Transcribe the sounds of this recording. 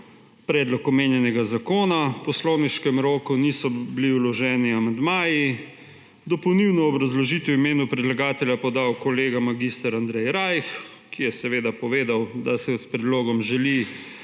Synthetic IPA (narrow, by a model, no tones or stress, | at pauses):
pɾɛːd̪lɔkɔmeːnjɛnɛɡazakoːnapɔsloːniʃkɛmɾoːkunisɔbliulɔʒɛːniamand̪maːji | d̪ɔpɔwniwnɔːbɾazlɔʒit̪ɛwimeːnupɾɛd̪laɡaːt̪ɛljapɔd̪aːwkɔleːɡamaɡist̪aɾand̪ɾɛjɾajx | kijɛsɛʋeːd̪apɔʋeːd̪awd̪asɛspɾɛd̪loːɡɔmʒɛli